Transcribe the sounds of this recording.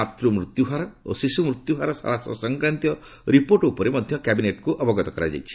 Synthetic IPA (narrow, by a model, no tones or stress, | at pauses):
at̪ɾumɾut̪juɦaɾɔo̰sisumɾut̪juɦaɾɔsa̰lasɔ̰sɔŋkɾant̪jɔ | ɾipoɾʈupɔɾemɔd̪ʱjɔkabineʈkuʔɔbɔɡɔt̪ɔkɔɾa̰d͡ʒa̰jt͡ʃʰi̥